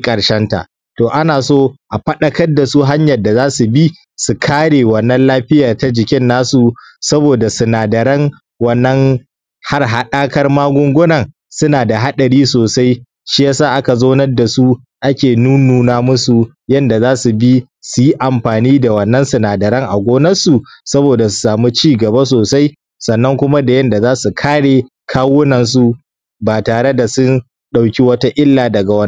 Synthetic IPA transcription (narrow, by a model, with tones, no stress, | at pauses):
kʼɐ˨ɽʃɐ˦nta̰˨ʔ | toː˨ʔa˦naː˨soː˦ʔa˨ɸɐ˦ɗɐ˦kɐ˦rda˨su˦ɦa˦ɲjɐ˨rda˨zaː˦su˨bi˦ | su˨kʰaː˦ɽeː˨wɐ˨nːɐ˦nlaː˦ɸɪ˦jaː˨ta˦d͡ʒɪ˨kʲɪ˦nːaː˦su˨ | sɐ˦boː˨da˨sʊ˨naː˨dɐ˨ɾɐ˦ŋ | wɐ˦nːɐ˦ŋ | ha˦rɦa˨ɗaː˦kɐ˦rmaː˦ɡʷʊ˦ŋɡʷʊ˦nɐ˨ŋ | sʊ˦naː˨da˨ɦa˦ɗɐ˨ɽiː˦soː˨sa˦j | ʃi˦jaː˦saː˦˨ʔa˦ka˨zoː˦nɐ˦rda˨su˦ | ʔa˦kʲeː˨nuː˦nuː˨naː˦mʊ˦su˨ | jɐ˦nda˨zaː˦su˨bi˦ | su˨ji˦ʔa˨mɸaː˨niː˦da˨wɐ˨nːɐ˦nsʊ˨naː˨dɐ˨ɽɐ˦ŋʔa˨ɡʷoː˦nɐ˦su˨sɐ˦boː˨da˨s̬u̥˨saː˨mu˦t͡ʃiː˦ɡɐ˨ba˦s̬oː˨sa˦j | sɐ˨nːɐ˦ŋkʷʊ˦ma˦da˨jɐ˦nda˨zaː˦su˨kʰaː˦ɽeː˨ | kʰaː˦wʊ˦nɐ˨ns̬u˦ | baː˨taː˨ɽe˦da˨sʊ˦n | ɗa˨wkʲi˦wɐ˦ta˦ʔɪ˦lːaː˨dɐ˨ɡa˨wɐ˦n˦